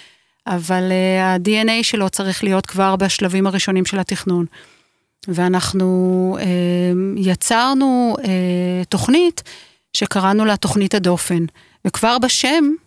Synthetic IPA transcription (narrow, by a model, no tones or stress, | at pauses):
ʔavaleadienejʃe̞lo̞t͡saʁiχlijo̞t̪kvaʁbaʃlavimaʁiʃo̞nimʃe̞latiχnun | veanaχnuejat͡saʁnueto̞χnit | ʃe̞kaʁanulato̞χnithado̞fe̞n | vekvaʁbaʃe̞m